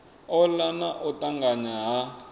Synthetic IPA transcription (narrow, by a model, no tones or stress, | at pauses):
ɔlanaʔɔtaŋɡaɲaɦa